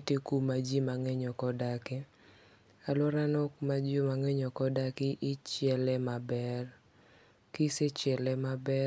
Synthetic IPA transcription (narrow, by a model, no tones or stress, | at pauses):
tikumad͡ʒimaŋɛɲɔkɔdakɪ | alɔɾanɔkmad͡ʒomaŋɛɲɔkɔdakɪʔɪt͡ʃjɛlɛmabɛr | kiset͡ʃjɛlɛmabɛ